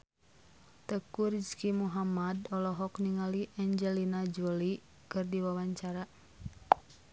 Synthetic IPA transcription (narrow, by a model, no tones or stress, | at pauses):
t̪əkurd͡ʒkimuɦamadɔlɔɦɔkniŋaliʔaɲd͡ʒɛlinad͡ʒuli | kɨrdiwawaɲt͡ʃaɾa